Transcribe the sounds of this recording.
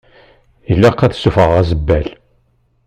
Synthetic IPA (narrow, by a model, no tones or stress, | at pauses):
ilːæqːæðsufəʁæzəbːæl